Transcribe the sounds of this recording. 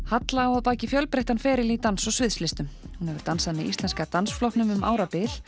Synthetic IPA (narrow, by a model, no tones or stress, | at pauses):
hat̪laːwaðpaːcɪfjœlpɾejht̪anfɛːɾɪlit̪ansɔɣsvɪðslɪst̪ʏm | hunhɛvʏɾt̪ansaðmɪist̪ɛnskat̪ansflɔhpnʏmʏmʔa̰ːwɾapɪl